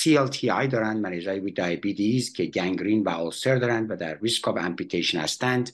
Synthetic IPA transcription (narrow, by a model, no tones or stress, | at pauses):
sielt̪ʰiɑjd̪ɒːɾænd̪mænezɒːjebud̪ɑjebid̪iːzcʰeɟæŋɡɾiːnvæɔlseɾd̪ɒːɾænd̪væd̪æɾːiskɒbæ̰mpit̪ʰeʃonhæ̰st̪ænd̪